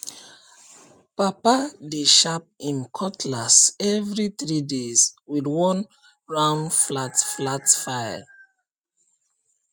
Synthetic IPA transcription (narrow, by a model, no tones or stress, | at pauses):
papadeʃap̚ĩnkʰɔtʰlasɛvɹiθɹidezwidwɔ̃n | ɹãnflatflatfaja̰